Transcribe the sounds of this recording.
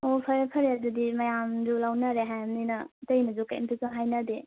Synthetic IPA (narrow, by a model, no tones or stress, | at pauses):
opʰɐɾɐpʰɐɾeɐdudimɐjamzulawnɐɾeɦajamninɐtɐjnɐzukaḭmpizanɦajnɐde